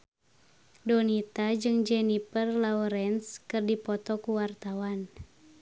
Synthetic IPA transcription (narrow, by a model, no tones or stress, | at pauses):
dɔnit̪ad͡ʒɨŋd͡ʒɛnipərlauɾɛnskɨrdipɔt̪ɔkuwart̪awan